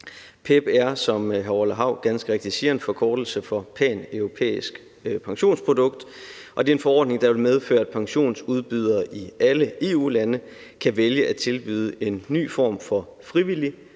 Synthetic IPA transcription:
pʰeb̥æɐsɒ̽mɦæləɦɑ̈ʊ̰ɡ̥ænsɡ̥əʁeɡ̥d̥isiɐnfɒ̽kʰɒːd̥l̩səfɒ̽pʰɛ̰ːnøʊʁo̝pʰḛːisɡ̥ | pʰɑ̈ŋɕo̝̰ːnspʰʁo̝d̥ɔ̽ɡ̥d̥ʔɒ̽d̥e̝e̝nfɒ̽ɒ̰ːd̥ne̝ŋd̥ɑ̈ʋe̝lmeð̞ˠfø̰ːɐæd̥pʰɑ̈ŋɕo̝̰ːnsuð̞ˠb̥yð̞ˠɐːʔiæləe̝ːṵːlænə | kʰæʋeljəʔæt͡sʰe̝lb̥y̰ːð̞ˠəʔe̝nːy̰ːfɒ̰ːmfɒ̽ | fʁiʋili

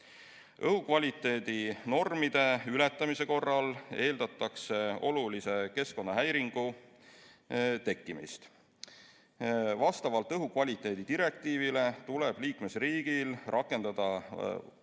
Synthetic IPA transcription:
ʔɤɦukvɑlʲit̪ːˑe̞ːd̪̥ino̞rmid̪̥e̞ylɛt̪ːˑɑmise̞ko̞rːɑle̞ːld̪ɑt̪ːˑɑkse̞o̞̰lulise̞ke̞sko̞nːɑɦæjɾiŋɡ̥u | t̪e̞kːˑimḭst̪ | vɑst̪ɑvɑlt̪ːˑɤɦukvɑlʲit̪ːˑe̞ːd̪̥id̪iɾe̞k̚t̪iːvile̞t̪uleb̥liːkme̞sriːɡ̥ilrʔɑkːˑe̞nd̪̥ɑd̪̥ɑ

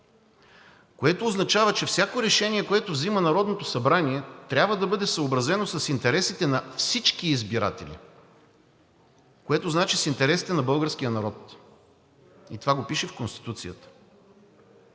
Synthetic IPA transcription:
koɛt̪oːznɐt͡ʃavət͡ʃɛfsʲakoɾɛʃɛnʲiɛkoɛt̪ovzimənɐɾɔd̪not̪osɐbɾaniɛt̪ɾʲabvəd̪ɐbɤd̪ɛsəobɾɐzɛnosɐsint̪ɛɾɛsit̪ɛnɐfsit͡ʃkiːzbiɾa̰t̪ɛ̰lḭ | koɛt̪oznat͡ʃisint̪ɛɾɛsi̥t̪ɛnɐbɤlˠɡəɾsk̟ijənɐɾɔt̪ | it̪ovaɡopiʃɛfkonst̪i̥t̪ut̪sijə̰t̪ə̥

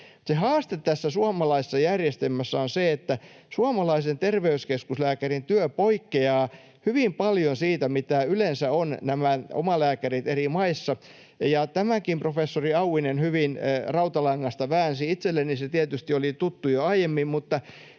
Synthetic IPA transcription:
sehɑːst̪et̪t̪ːæsːæsuɑmɑlɑise̥sːɑjærjest̪emːæsːæonseet̪ːæ | suɑmɑlɑisent̪erʋeyskeskuslæːkærint̪yøpoikːeɑː | hyʋimpɑljonsiːt̪æmit̪æylensæonnæmæo̰mɑlæːkærit̪erimɑisːɑ | jɑt̪æmækimprofesːoriɑuwinenhyʋinrɑut̪ɑlɑŋːɑst̪ɑʋæːnsiit̪selːeniset̪iæt̪yst̪iolit̪ut̪ːujoɑijemːimmut̪ːɑ

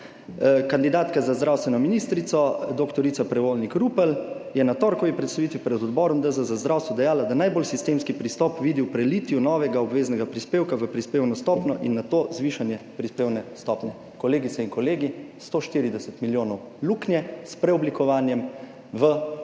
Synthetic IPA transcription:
kand̪id̪aːt̪kazazd̪ɾawst̪ʋɛnɔminiːst̪ɾit̪sɔd̪okt̪ɔɾit̪sapɾɛʋoːlnikɾuːpəljɛnat̪ɔːɾkɔʋipɾɛt̪st̪aʋiːt̪ʋipɾɛd̪ɔd̪bɔːɾɔmd̪əzəzazd̪ɾaːwst̪ʋɔd̪ɛjaːlad̪anajbolsist̪eːmskipɾist̪ɔpʋiːd̪iwpɾɛliːt̪ijunɔːʋɛɡaɔbʋeːznɛɡapɾispeːwkaʋəpɾispeːwnɔst̪ɔːpnɔʔinːat̪oːzʋiʃanjɛpɾispeːwnɛst̪ɔːpnjɛ | kɔleːɡit̪sɛiŋkɔleːɡist̪oːʃt̪iːɾid̪ɛsət̪miljoːnɔw | luːknjɛspɾɛɔblikɔʋaːnjɛm | ʋə

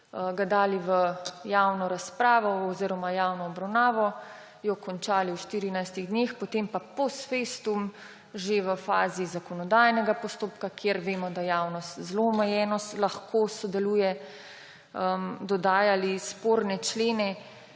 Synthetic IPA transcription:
ɡad̪aːliʋəjawnɔɾaspɾaːʋɔɔziːɾɔmajaːwnɔːbɾawnaːʋɔ | jɔkɔnt͡ʃaːliwʃt̪iːɾinajst̪iɣd̪neːxpɔt̪empapɔsfest̪um | ʒeʋəfa̰ːzizakɔnɔd̪aːjnɛɡapɔst̪oːpkakʰjeɾʋeːmɔd̪ajaːwnɔst̪zloːmɛjɛnɔst̪laxkʰosɔd̪ɛluːjɛ | əmd̪ɔd̪aːjalispoːɾnɛt͡ʃleːnɛ

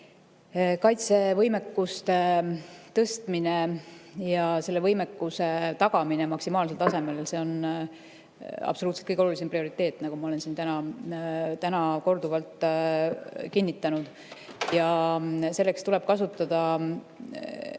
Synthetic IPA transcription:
kɑjt̪se̞vɤjmekːust̪e̞t̪ɤst̪minejɑse̞lːevɤjmekːuse̞t̪ɑɡ̥ɑmine̞mɑksimɑːlse̞lt̪ɑse̞me̞lse̞o̞n | ɑ̰b̥so̞uːt̪set̪kɤjko̞lulis̬emprio̞ɾit̪ˑːe̞ːt̪ːˑnɑɡ̥umɑo̞lensint̪ænɑ | t̪ænɑko̞rd̪uvɑlt̪ˑ | kinʲːit̪ːˑɑnud̪̥ | jɑse̞lːekst̪ule̞b̥̚kɑsut̪ːˑɑd̪̥ɑ

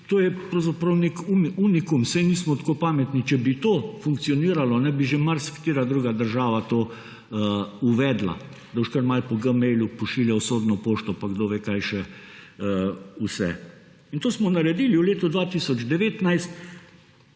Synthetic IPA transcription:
t̪oːjɛpɾɐwzapɾɐwnikuniunikumsɛjniːsmɔt̪koːpaːmɛt̪nit͡ʃɛbit̪oːfuŋk̚t̪sijɔniːɾalɔnɛbiʒemaɾskt̪eːɾad̪ɾuːɡad̪əɾʒaːʋat̪oː | əuʋɛːd̪la̰ | d̪aɔʃkəɾmalpɔɡəmɛjlupɔʃiːljɛwsoːd̪nɔpoːʃt̪ɔpaɡd̪oːʋekajʃɛəusɛ̰ | int̪oːsmɔnaɾɛd̪iːliwleːt̪ɔd̪ʋat̪iːsɔd͡ʒd̪ɛʋeːt̪najst̪

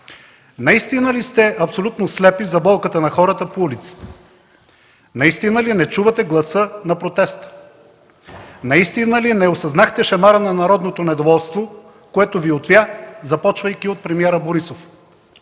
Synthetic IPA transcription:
nɐist̪inəlist̪ɛɐpsolʲut̪noslɛpizɐbɔlˠkət̪ənɐxɔɾət̪əpoulit̪si̥t̪ɛ̥ | nɐist̪inəlinɛt͡ʃuvɐt̪ɛɡlˠɐsɤnɐpɾot̪ɛst̪ə̥ | nɐist̪inəlinɛosɐznaxt̪ɛʃɛmaɾənɐnɐɾɔd̪not̪onɛd̪ovɔlˠst̪vo | koɛt̪oviot̪vʲjazɐpɔt͡ʃvəjkʲiot̪̚pɾɛmiɛɾəboɾisof

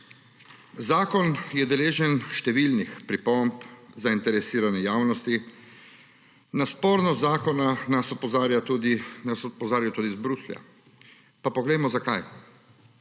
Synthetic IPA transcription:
zaːkɔnjɛd̪ɛleːʒɛnʃt̪ɛʋilnixpɾipɔmpzaint̪ɛɾɛsiːɾanɛjaːwnɔst̪i | naspɔːɾnɔzaːkɔnanasɔpɔzaːɾjat̪ud̪inasɔpɔzaːɾjɔt̪uːd̪izbɾuslja̰ | papɔɡlɛjmɔzakaj

